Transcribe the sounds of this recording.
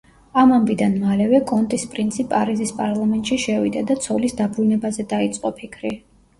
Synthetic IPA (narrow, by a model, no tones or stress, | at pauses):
amambid̪anmalɛvɛkʼɔnt̪ʼispʼɾint̪sʰipʼaɾizispʼaɾlˠamɛnt̪ʼʃiʃɛvid̪ad̪at̪sʰɔlisd̪abɾunɛbazɛd̪ait̪sʼqʼɔpʰikʰɾi